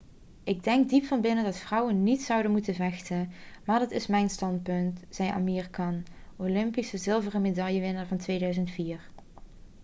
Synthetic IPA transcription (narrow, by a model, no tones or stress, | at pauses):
ʔɪɡ̚dɛŋɡ̚dipfɑnbɪnəndɑtfrʌwənːitsʌwdənmutənvɛxtənmaːɹdɑtɪsmɛjnstɑnt̚pɵntz̥ɛjʔa̰miːrikɑnolɪmpisəzɪlˠvərəmedɑjəʋɪnəɹvɑntʋejdœɥzəntfiːɹ